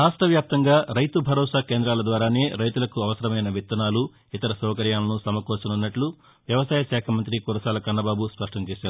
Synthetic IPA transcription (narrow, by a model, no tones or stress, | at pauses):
ɾaːʂʈɐʋjaːp̚t̪ɐŋɡaːɾɐjt̪ubʱɐɾɔːsaːkeːnd̪ɾaːlɐd̪ʋaːɾaːne̞ːɾɐjt̪ulɐkuɐʋɐsɐɾɐmɐjnɐʋit̪ːɐnaːlu | it̪ɐɾɐsɔːkɐɾjaːlɐnusɐmɐkɔːsɐnunːɐʈlu | ʋjɐʋɐsaːjɐʃaːkʰɐmɐnt̪̬ɾikuɾɐsaːlɐkɐnːɐbaːbuspɐʂʈɐmt͡ʃɛːʃaːɾu